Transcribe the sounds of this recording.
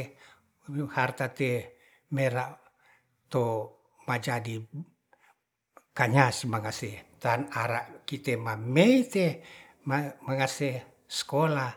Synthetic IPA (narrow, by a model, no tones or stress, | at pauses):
hart̪at̪e | meɾaʔ | t̪o | mad͡ʒadi | kaɲasimaŋaset̪anaɾaʔkit̪emameit̪e | mamaŋase | skola